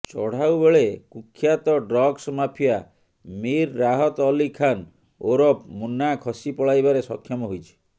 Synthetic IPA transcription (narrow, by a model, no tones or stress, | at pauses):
t͡ʃɔɽ̤awbeɭekukʰːjat̪ɔɖɾɔɡsmapʰija | miɾːaɦɔt̪ɔlikʰan | oɾɔpmunakʰɔsipɔɭajbaɾesɔkʰjɔmɔɦujt͡ʃʰi̥